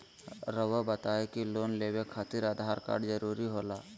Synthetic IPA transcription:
ɾəʋabət̪aːekiloːnleːwekʰaːt̪iɾad̪ʱaːɾka̰ːɾɖd͡ʒəɾuːɾiɦoːlaː

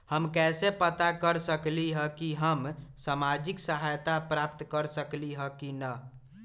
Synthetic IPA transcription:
həmkɛsepət̪akəɾsəkliɦə̃kiɦəmsamad͡ʒiksəɦajt̪apɾap̚t̪kəɾsəkliɦəkinə

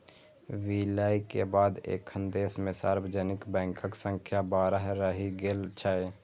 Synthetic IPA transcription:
ʋiːlaːikebaːd̪ḛːksənd̪eːsmẽsaːɾwəd͡ʒɛːnɪkbɛ̃ːkʰəksə̃ŋkʰjabaːɾəɦɾəɦiɡelt͡ʃʰaːe

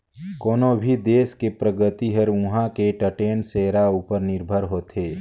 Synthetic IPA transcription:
koːnobʱid̪eːskepɾəɡət̪iɦəɾʊ̃ɦãkeʈəʈeːnseːɾauːpəɾnɪɾbʱəɾɦoːt̪ʰeː

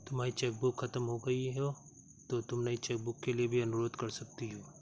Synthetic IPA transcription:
t̪ʊmaːɾit͡ʃɛːk̚bʊkxɐt̪əmɦoɡɐiɦo | t̪ot̪ʊmnɐit͡ʃɛːk̚bʊkːeliebʱiɐnʊɾoːd̪kɐɾsɐk̚t̪iɦoː

